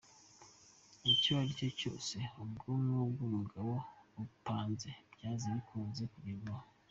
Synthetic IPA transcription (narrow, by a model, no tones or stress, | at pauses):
iciβaɾicoco̞̰ːse̞ubɡoːmŋubɡumuɡaβoupaːnze̞bɟaːzaβikʰuːnze̞kuɡiɾaho